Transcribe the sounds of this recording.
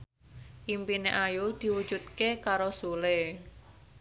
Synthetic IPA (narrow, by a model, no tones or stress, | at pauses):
ʔimpineʔajud̪̥i̤wud̥d͡ʒ̥ṳt̪̚kekaɾosule